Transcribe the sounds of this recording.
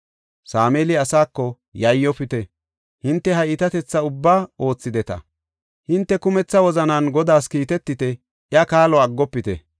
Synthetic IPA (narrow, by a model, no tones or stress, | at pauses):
saːmeːlɪɐsaːkːɔ | jɐjːɔpɪt̪ɛ | hɪnt̪ːɛɦɐɪt̪ɐt̪ɛt͡sːɐʊbːaːo̞ːt͡sːɪd̪ɛt̪ɐ̰ | hɪnt̪ːɛkʊmɛt͡sːɐwɔzɐnɐnɡɔd̪aːskiːt̪ɛt̪ːɪt̪ɛ | ʔɪɐkaːlɔɐɡːɔpːɪt̪ɛ̰